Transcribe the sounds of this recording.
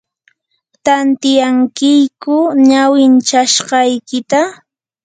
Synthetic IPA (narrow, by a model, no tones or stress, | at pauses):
t̪ant̪ɪjaŋkɪjkʊɲawɪnt͡ʃaʃɢɑjkɪt̪a